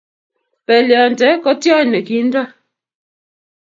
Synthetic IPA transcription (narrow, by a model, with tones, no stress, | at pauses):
pɛ˨ljɔ˨n˨tɛ˨˦kɔ˦tjɔ˦˨nɛ˨ki˨˦n˦da˦